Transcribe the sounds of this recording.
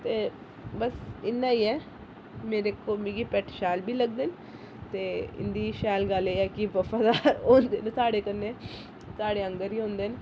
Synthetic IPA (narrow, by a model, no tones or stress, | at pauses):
t̪eː | bəsɪnːaːiːɛː | meːɾekoːmiɡipɛʈʃaːlbʱiːləɡ̚d̪en | t̪eːɪ̰nd̪iːʃaːlɡalejaːkibəfaːd̪aːɾɦoːnd̪eːnesaːɽeːkənːeː | saːɽeːə̃ŋɡəɾiːɦõːnd̪eːn